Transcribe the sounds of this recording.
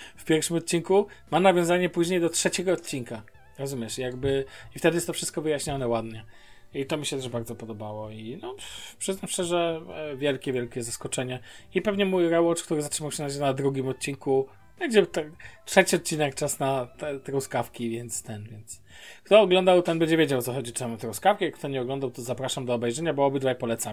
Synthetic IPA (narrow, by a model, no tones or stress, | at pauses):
fpʲjɛɾfʂɘmɔt̪̚t͡ɕinku | manavʲjɔ̃w̃zaɲɛpuʑɲejd̪ɔtʂɛt͡ɕɛɡɔːt̪̚ʲt͡ɕinka | ɾɔzumʲjɛʂijaɡbɘift̪ɛd̪ɘjɛst̪ɔfʂɘst̪̚kɔvɘjaɕɲanɛwad̪ɲɛ | it̪ɔmʲiɕɛt̪ɛʐbaɾd̪zɔpɔd̪ɔbawɔinɔpʂɘznafɕɛʐɛvʲjɛlkʲɛvʲjɛlkʲɛzaskɔt͡ʂɛɲɛipɛvɲɛmujɾɛwɔt͡ʂkt̪uɾɘzatʂɘmawɕɛnad͡ʑnad̪ɾuɡʲimɔt̪̚t͡ɕiŋku | bɛnd͡ʑɛt̪ɛtʂɛt͡ɕiɔt̪̚t͡ɕinɛkt͡ʂasnat̪ɛt̪ɛɾɔwskafkʲivʲjɛnt̪st̪ɛnvʲjɛnt̪s | kt̪ɔːɡlɔnd̪awt̪ɛnbɛɲd͡ʑɛvʲjed͡ʑawt̪sɔxɔd͡ʑit͡ʂamut̪ɾɔwskafkʲɛjakt̪ɔɲɛɔɡlɔnd̪awt̪ɔzapɾaʂamd̪ɔːbɛjʐɛɲabɔɔbɘd̪vajpɔlɛt̪sam